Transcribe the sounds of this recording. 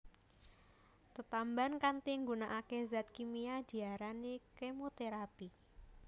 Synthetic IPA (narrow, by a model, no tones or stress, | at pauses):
t̪ət̪ambankant̪iŋɡunaʔakezat̪̚kimiad̪̥i̤aɾanikemot̪eɾapi